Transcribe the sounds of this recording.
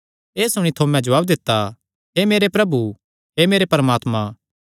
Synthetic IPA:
eːsʊɽ̃it̪ʰomɛ̃d͡ʒɐʋaːbd̪ɪt̪ːa | ɦemeːɾepɾɐbu | ɦeːmeːɾepɐɾəmaːt̪mã

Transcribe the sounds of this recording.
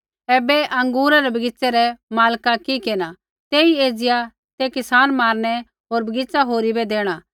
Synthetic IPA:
ɛːbɛʔɐ̃ŋɡuːɾaɾɛbɐɡɪt͡sɛɾɛmaːlkakikeːna | t̪eːieːd͡zɪja | t̪ekɪsaːnmaːɾɽ̃ɛ | ɦoːɾbɐɡɪt͡saɦoːɾibɛd̪eːɽ̃aː

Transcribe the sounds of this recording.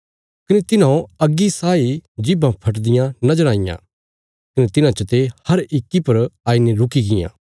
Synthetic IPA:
kɐnet̪ɪnãːõɐɡːisaːid͡ʒɪbãpʰɐʈ̬d̪ɪjãnɐd͡ʒɐɾ̃aːɪjã̰ː | kɐnet̪ɪnãt͡ʃɐt̪ehɐɾɪkːipɐɾaːineɾʊkiɡɪjã̰ː

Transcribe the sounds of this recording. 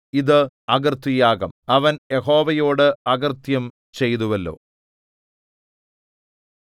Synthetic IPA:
iðɨɐɣɐrt̪ijaːɣɐmɐʋɐnjeho̞ːʋɐjoːɽɨɐɣɐrt̪jɐm | t͡ɕe̞jt̪uʋɐlːo̞̰ː

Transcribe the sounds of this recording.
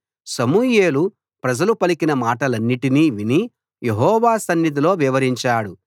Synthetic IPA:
sɐmuːjeːlu | pɾɐd͡ʒɐlupɐlikinɐmaːʈɐlɐnːiʈiniːʋini | je̞ɦɔːʋaːsɐnːid̪ilo̞ːʋiʋɐɾiɲt͡ʃaːɽu

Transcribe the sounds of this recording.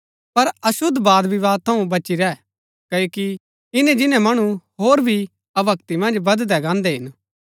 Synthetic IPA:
pɐɾɐʃʊd̪ːbaːd̪biʋaːd̪̚t̪ʰɐũbɐt͡ʃiɾɛ | kɐoːki | ɪnɛ̃d͡ʒɪnɛ̃mɐɽ̃uɦoːɾbʱi | ɐbɐkt̪imɐ̃nd͡ʒbɐd̪d̪ɛɡãːnd̪ɛɦɪn

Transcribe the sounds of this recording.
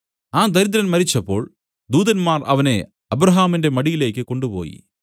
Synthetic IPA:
aːd̪ɐɾid̪̬ɐɾɐnmɐɾit͡ɕːɐpːo̞̰ːɭ | d̪uːðɐnmaːrʔɐ̰ʋɐne̞̰ | ɐbɾɐɦaːminde̞mɐɽijile̞ːkʲːɨko̞ɳɖupo̞̰ːjḭ

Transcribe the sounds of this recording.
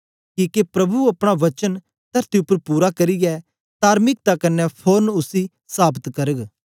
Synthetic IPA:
kiːkepɾɐbuɐpɽ̃aʋɐt͡ʃən | t̪ɐɾt̪iʊpəɾpuːɾakɐɾiɡɛ | t̪aːɾmɪk̚t̪akɐnːɛpʰoːnʊsi | saːbət̪kɐɾəɡ

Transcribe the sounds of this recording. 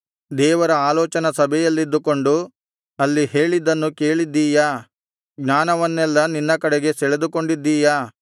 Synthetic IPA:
d̪ɛːʋɐɾɐaːlɔːt͡ʃɐnɐsɐbʱɛjɐlːid̪ːuko̞ɳɖu | ɐlːihe̞ːɭid̪ɐnːuke̞ːɭid̪ːiːja | ɡɲaːnɐʋɐnːɛlːɐninːɐkɐɽɛɡe̞sɛɭed̪uko̞ɳɖid̪ːiːja

